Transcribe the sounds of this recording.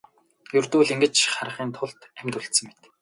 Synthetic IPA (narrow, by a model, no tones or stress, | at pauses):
jɵrt̪uːɮiŋɡɘ̆t͡ɕχarə̆χiːnt̪ʰʊɮt̪æmʲt̪uɮt̪sə̆ŋmet̪